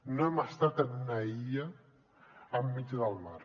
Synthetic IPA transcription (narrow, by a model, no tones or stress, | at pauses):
noemast̪at̪ənunaiʎaː | mːit͡ʃðəlˠmaɾ